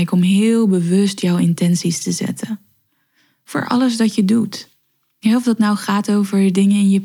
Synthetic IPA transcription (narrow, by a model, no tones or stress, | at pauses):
jkɔmɦɪːlˠbəʋɵstjɔwɪntɛnsistəzɛ̰tʰə | v̥ʊ̰ːɹʔɑ̰ləzdɑtjədut | ɦɛɔfdɑtnawχaːtowvəɹdədɪŋənɪnjə